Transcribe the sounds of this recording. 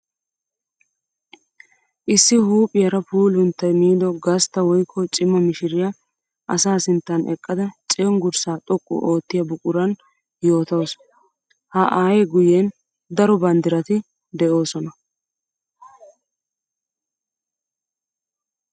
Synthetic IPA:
ʔɪsːɪhuːpʼɪjɐɾɐpuːlʊnt̪ːɐjmiːd̪ɔɡɐst̪ːɐwɔjkʰːɔt͡ʃʼɪmːɐmɪʃɪɾɪjɐ | ʔɐsaːsɪnt̪ːɐnʔɛkʼːɐd̪ɐt͡ʃʼɛɔŋɡʊɾsaːt̪ʼɔkʼːʊ̰ʔo̞ːt̪ːɪjɐbʊkʼʊɾɐn | jo̞ːt̪ɐws | hɐʔaːjeɡʊjeːn | d̪ɐɾɔbɐnd̪ɪɾɐt̪ɪ | d̪ɛʔo̞ːsɔnɐ

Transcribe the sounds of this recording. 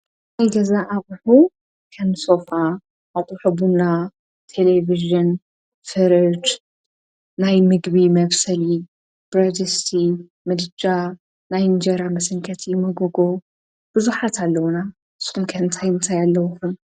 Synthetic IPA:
najɡɐzaʔːβʼħu | kʰɐnsofaː | wt̪ʼuħɨbuna | t̪ʰe̞leviʒɨn | fɨɾɨd͡ʒ | najmɨɡbimɐβsɐli | b̥ɾad͡ʒɐst̪ʰi | mɨd̪ɨd͡ʒa | najnd͡ʒɐɾamɐsɨŋkʰɐt̪ʰimɐɡoɡo | b̥ɨzuħat̪ʰalːɐwna | ɨsxumkʰɐɨnt̪ʰajɨnt̪ʰajalːɐwxum

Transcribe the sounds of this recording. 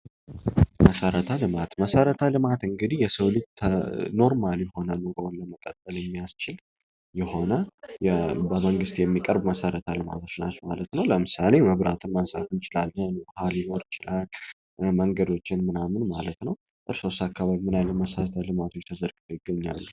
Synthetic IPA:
məsəɾət̪ʰalɨmat̪məsəɾət̪ʰalɨmat̪ɨŋɡɨd̪ihjɛsəwlɨt̪ʰno̞ɾmaljɛho̞nənoɡəwnləməkʼət̪ʼːəljɛmːijast͡ʃɪl | jɛho̞nəjbəməŋɡɨst̪jɛmːikʼəɾbməsəɾət̪ʰalɨma̰t̪ʰot͡ʃːnat͡ʃːmalət̪nəwləmɨsale̞məβɾat̪ʰɨnmənsa̰t̪ʰɨnt͡ʃɪlalːənhaljɪno̞ɾɪt͡ʃɪlal | məŋɡəd̪o̞t͡ʃːɪnmɨnamɨnmalət̪nəw | ʔɨɾso̞sakːaβaβimɨnalːəməsəɾət̪ʰalɨmat̪ʰo̞t͡ʃːt̪ʰəzəɾɡɨd̪ojɪɡəɲːa̰lːu

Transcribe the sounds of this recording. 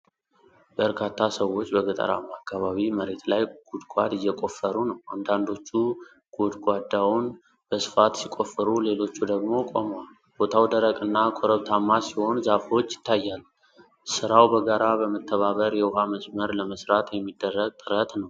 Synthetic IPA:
bəɾkʰat̪ʰːasəwːo̞t͡ʃːbəɡət̪ʼə̰ɾa̰makːaβaβiməɾe̞t̪lajɡ̥ud̪ɡʷad̪ɨjːɛkʼo̞fːəɾunəwʔand̪and̪o̞t͡ʃːu | ɡ̥od̪ɡʷad̪ːawun | b̥əsɨ̥fat̪sikʼo̞fːəɾule̞lo̞t͡ʃːud̪əɡmo̞kʼo̞̰mwal | b̥o̞t̪ʰawd̪əɾəkʼɨnːakʰoɾəβt̪ʰamːasiho̞nzafo̞t͡ʃːjɪ̥t̪ʰːajːal | sɨɾawbəɡaɾabəmət̪ʰːəβaβəɾjɛwʊɦaməsməɾləməsɾat̪jɛmːid̪ːərːəɡ̚t̪ʼɨɾət̪nəw

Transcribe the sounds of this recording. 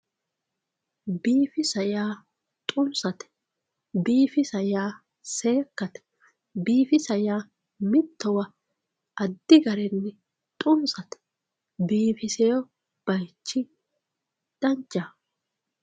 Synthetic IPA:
biːfɪsɐjaː | t̪ʼʊnsɐt̪ɛ̥ | biːfɪsɐjaː | se̞ːkːɐt̪ɛ̥ | biːfɪsɐjaː | mɪt̪ːɔwɐ | ɐd̪ːɪɡɐɾɛnːɛ | t̪ʼʊnsɐt̪ɛ̥ | biːfɪsɛjɔ | b̥ɐjt͡ʃːɪ | d̪ɐnt͡ʃʼːa

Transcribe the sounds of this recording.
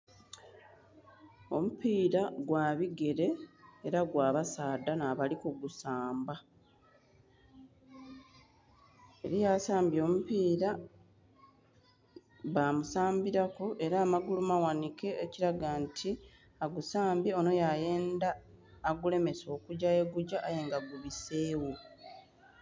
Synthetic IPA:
o̞̰mupiːɾaɡwaːβiɡe̞ɾe̞ːɾaɡwaːβasaːdanaːβalikuɡusaːmba | e̞̰ɾijaːsaːmbjo̞ːmupiːɾa | βamusaːmbiɾakuʔe̞ɾaːmaɡulumawanike̞ːciɾaɡantʰi | aɡusaːmbjeo̞no̞jaje̞ːndaːɡule̞me̞so̞ːkuɟaje̞ɡuɟaʔaje̞ŋɡaɡuβise̞ːwu

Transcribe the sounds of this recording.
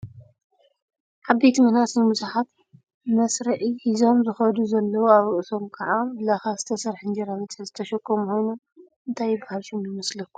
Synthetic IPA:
ħabejt̪ʰimɨnasɨnmusaħat̪ | mɐsɾɐʕihizo̞mzɨxɐd̪uzɐlːɐwoaβɨʔɨso̞mkʰaʕamlaxazɨt̪ʰɐsɐɾħɨnd͡ʒɐɾawit̪ħɨzɨ̥t̪ʰɐʃɐkːomukʰo̞jno̞m | ʔɨnt̪ʰajːɪbːahalʃomjɪmɐslɐkːu̥

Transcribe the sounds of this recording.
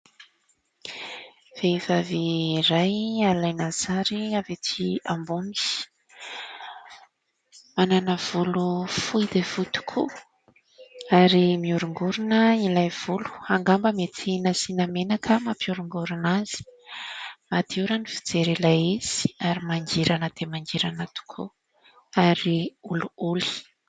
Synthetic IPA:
v̥evavirajalajnazaɾiavet͡sʰiambunis | mananəv̥ulufujd̪evut̪u̥kʰṵ | aɾimiuɾuŋɡuɾunəilajv̥ulu̥aŋɡambəmet̪ʰinasinamenakʰəmapiuɾuŋɡuɾunaz̥i̥ | mat̪iuɾənifi̥d͡zeɾelaiz̥i̥aɾimaŋd͡ʒiɾanəd̪̥emaŋɡiɾanat̪u̥kʰṵ | aɾiuluuli̥

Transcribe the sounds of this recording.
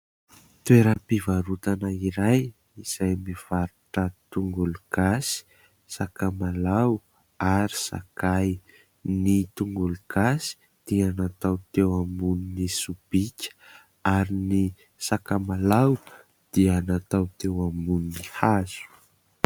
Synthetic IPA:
t̪weɾəpivaɾut̪anaiɾaj | iz̥ajmiv̥aɾuʈ͡ʂət̪uŋɡuluɡ̥asi̥ | sakamalaw | aɾi̥sa̰kaj | nit̪uŋɡuluɡ̥asi̥ | d̪̥ianat̪awt̪ewamuninisub̥ikʲə̥ | aɾini | sakamalaw | d̪̥ianat̪awt̪ewamuninihaz̥u̥

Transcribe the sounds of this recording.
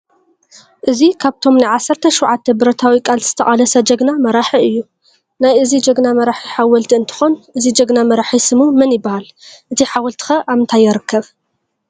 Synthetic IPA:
ʔɨzikʰaβt̪ʰo̞mnajʕasːɐɾt̪ʰɐʃuwʕat̪ʰːɐbɨɾɐt̪ʰawikʼalz̥ɨ̥t̪ʰɐχʼalɐsɐd͡ʒɐɡnamɐɾaħiɨjːu | najʔɨzid͡ʒɐɡnamɐɾaħiħawɐlt̪ʰiɨnt̪ʰɨ̥xonʔɨzid͡ʒɐɡnamɐɾaħisɨmumɨnjɪbːahalʔɨt̪ʰiħawɔlt̪ʰi̥xɐʔaβɨnt̪ʰajːɛɾɨkʰːɐβ

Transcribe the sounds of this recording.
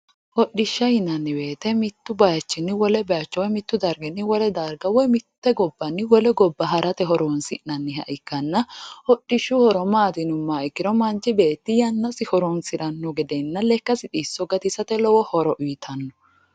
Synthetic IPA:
hɔɗːɪʃːɐjɪnɐnːɪbe̞ːt̪ɛmɪt̪ːʊbɐjɐt͡ʃːɪnːɪwɔlɛbɐjɐt͡ʃːɛwɔjmɪt̪ːʊd̪ɐɾɡɛnːɪwɔlɛd̪ɐɾɡɐwɔjmɪt̪ːɛɡɔbːɐnːɪwɔlɛɡɔbːɐɦɐɾɐt̪ɛɦɔɾoːnsɪ̰nɐnːɪɦɐ̰ʔɪkːɐnːɐhɔɗːɪʃːʊhɔɾɔmaːd̪ɪnʊmːaːʔɪkːɪnɔmɐnt͡ʃɪbe̞ːt̪ːɪjɐnːɐsɪhɔɾoːnsɪɾɐnːɔɡɛd̪ɛnːɐlɛkːɐsɪt̪ʼiːsːɔɡɐt̪ɪsɐt̪ɛlɔwɔhɔɾɔʔʊjt̪ʰɐnːɔ

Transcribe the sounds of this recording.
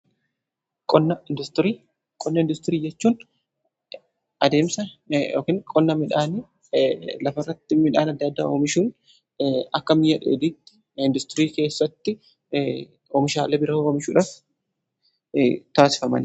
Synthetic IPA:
kʼɔnːɐɪnd̪ʊst̪ɪɾiː | kʼɔnːɐɪnd̪ʊst̪ɪɾiːd͡ʒɛt͡ʃːuːn | ʔɐd̪e̞ːmsɐoːkɪnkʼɔnːɐmɪᶑaːnɪ | lɐfɐrːɐt̪ːɪmɪᶑaːnɐd̪ːɐd̪ːa̰ːʔoːmɪʃuːn | ɐkːɐmɪjɐᶑḛːd̪iːt̪ːɪ̥ | ɪnd̪ʊst̪ɪɾiːke̞ːsːɐt̪ːɪ | oːmɪʃaːlɛbɪɾɐoːmɪʃuːᶑɐf | t̪aːsɪ̥fɐmɐ̰n

